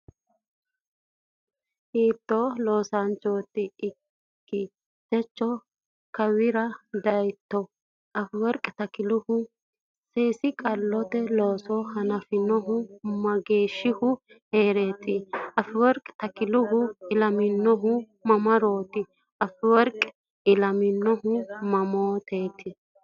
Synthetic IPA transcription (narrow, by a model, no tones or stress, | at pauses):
hiːt̪ːɔlo̞ːsɐnt͡ʃoːt̪ːɪː | kːɪ | t̪ɛt͡ʃːɔ | kɐwɪɾɐd̪ɐjt̪ːɔ | ɐfɪwɔɾkʼt̪ɐkɪlʊhʊ | seːsɪkʼɐlːɔt̪ɛloːsɔhɐnɐfɪnɔɦʊmɐɡiːʃːɪhʊ | heːɾeːt̪ɪɐfɪwɔɾkʼt̪ɐkɪlʊɦʊɪlɐmɪnːɔɦʊ | mɐmɐɾo̞ːt̪ɪ | ʔɐfɪwɔɾkʼ | ɪlɐmɪnːɔɦʊmɐmoːt̪ʰeːt̪ʰɪ